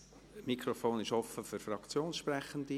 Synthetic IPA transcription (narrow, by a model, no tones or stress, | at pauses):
mikʰɾofoːnɪʃɔfəfyɾfrɑkt͡sjoːnsʃprɛχənd̥̪i